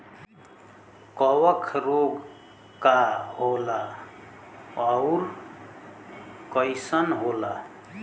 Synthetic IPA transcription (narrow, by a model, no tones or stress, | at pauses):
kʌwʌkʰroɡ | kaɦola | ʌwr | kʌjsʌnɦola